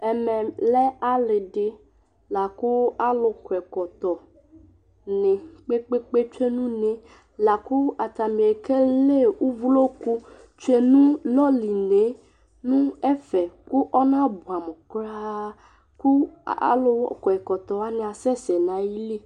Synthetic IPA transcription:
ɛ˨mɛ̃˨lɛ˦a˦lɪ˨ɖɪ˨ | la˨ku˦a˦lʊ˨kɛ˨kɔ˨t̪ɔ˨ | nɪ̃˨k͡pe˦k͡pe˦k͡pe˦t͡ʃe˦nũ˦nẽ˨˦ | la˨ku˦a˨t̪a˨mĩ˨e˨ke˦le˦u˦vu˦lo˦ku˦ | t͡ʃe˦nũ˦lɔ˦li˨ne˨˦ | nũ˦ɛ˦fɛ˨ku˦ʔɔ˦nã˦bu˨a˨mʊ̃˨kɾa˦ | ku˦a̰˦lʊ˦˨xɛ˨kɔ˨t̪ɔ˨wa˦nɪ̃˨a˨sɛ˦sɛ˨nã˨ji˦li˦

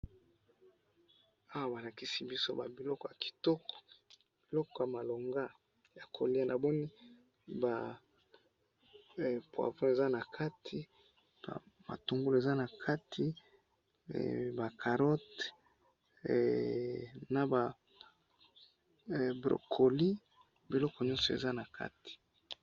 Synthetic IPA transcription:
a˦wa˦ba˨la˨ki˦si˦bi˦so˦ba˨bi˨lɔ˦kɔ˨ja˨ki̥˨tɔ˦kɔ̥˨ | b̥i˨lɔ˦kɔ˨˦ja˨ma˨lo˨ŋɡa˦ | ja˨kʰo˨li˦a˦nʔa˨bɔ˦ni˦ | ba˨ | pwa̰˨võ˦e˨za˦na˨kʰa˦tʰi˦ | ba̰˨ | ma̰˨to˨ŋɡu˦le˨za˦na˨kʰa˦tʰi˦˨ | ba˨kʰa˨ʁɔ˦t | na˨ba˨ | bʁo̰˨kʰo˨li˦ | bi˨lɔ˦kɔ˨ɲɔ˦nsɔ˨ḛ˨za˦na˨kʰa̰˦tʰi̥˨

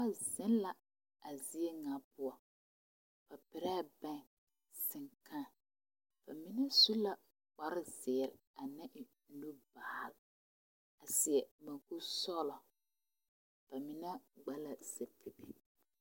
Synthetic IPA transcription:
a˦zɪ˦nla˨ | a˨zi˦e˦ŋa˨pʊ˦ɔ˦ | b̥a˨pɪ˨ɾa˦˨bɛ̃˦˨ | sɪ˨ŋkʰa˦˨ | b̥a˨mi˦nɛ˦su˦la˨ | k͡pa˨ɾɪ˦zɪ˨ɾɪ˨a˨nɛ˦ʔɪ˨ | nu˦baː˨l | a˨sɪ˨ɛ˨mã˨ku˦sɔ˦lɔ˨ | b̥a˨mɪ˨nɛ˦ɡ͡ba˦la˨se˨pi˨bi˦

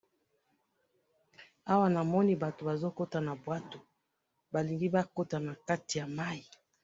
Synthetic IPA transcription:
a˦wa˦na˨mɔ˦ni˦ba˨to˨ba˨zo˦ko˦ta˨na˨bwa˦to˨ | ba˨li˨ŋɡi˦ba˦ko˦ta˨na˨ka˦ti˨ja˨ma˦i˨

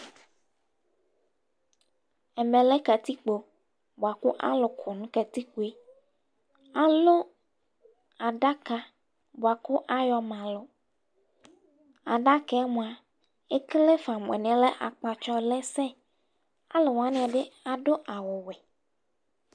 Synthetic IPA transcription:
ɛ˨mɛ̃˨lɛ˦ka˨t̪i˦k͡po˨ | bo˨a˨kʊ˦ʔa̰˦lʊ˨kʰʊ˨nũ˦kɛ˨t̪i˦ku˨e˦ | a˨lo˦ | a˨ɖa˦ka˦ | bo˨a˨kʊ˦ʔa˦jɔ˨mã˨lʊ˨ | a˨ɖa˦kɛ˦a˦mũ˨a˨ | e˦kle˦fa˨mʊ̃˨ɛ̰̃˨n˨ɛ˨lɛ˦ʔa̰˨k͡pa˨t͡ʃɔ˦lɛ˦sɛ˦ | a˦lo˨wa˦ñ˨ɛ˨ɖɪ˦a˨ɖo˦ʔa˨wʊ˨wɛ˨

